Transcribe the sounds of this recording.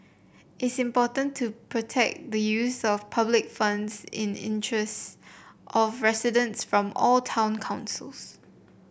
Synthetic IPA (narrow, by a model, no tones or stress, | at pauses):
ʔɪtsɪ̃mpɔtə̃ntʰːupʰɹotʰɛ̰k̚d̪əjusɔfpʰablɪkfãnsɪ̰̃nɪ̰̃ntʰɹɛstʔɔfɹɛsɪdə̃ntsfɹɔ̃mɔltʰãʊ̃nkʰãʊ̃nsəls